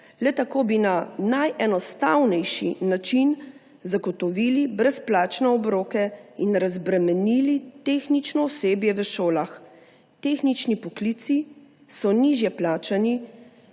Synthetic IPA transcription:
lɛt̪akoːbinanajɛnɔst̪awnɛjʃḭnat͡ʃin | zaɡɔt̪ɔʋiːlibɾɛsplaːt͡ʃnɛɔbɾoːkɛinɾazbɾɛmɛnilit̪exnit͡ʃnɔɔseːbjɛʋəʃoːlax | t̪exnit͡ʃnipɔkliːt̪si | sɔniʒjɛplaːt͡ʃani

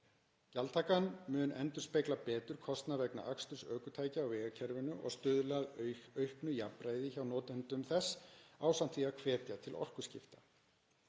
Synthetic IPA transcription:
calt̪ʰaːkanmʏːnʔɛnt̪ʏ̥ɾ̥spejklapɛːt̪ʏɾ̥kʰɔst̪navɛkna̰ʔakst̪ʏ̥sœːkʏt̪ʰaːjcɪawvɛːɣacʰɛɾvɪnʏʔɔ̰ɣst̪ʏːðʏlaðœɥhknʏjapɾaːjðɪçawnɔːt̪ɪhʏnt̪ʏmθɛsawsam̥t̪θiakʰvɛːt̪jat̪ʰɪlʔɔ̰r̥kʏ̥scɪ̰ft̪a

